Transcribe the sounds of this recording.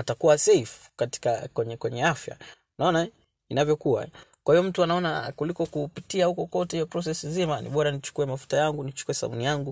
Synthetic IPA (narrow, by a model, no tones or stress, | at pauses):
atakuwasɛf | kati̥kakwɛɲɛkwɛɲɛafja̰ | naɔna | inavjɔkuwa̰kwahiɔm̩tuanaɔnakulikɔkupitiahukɔkɔtɛhijɔpɾɔsɛsizimanḭɓɔɾanit͡ʃu̥kuɛmafu̥tajaŋɡunit͡ʃu̥kuwɛsa̰mṵnijaŋɡu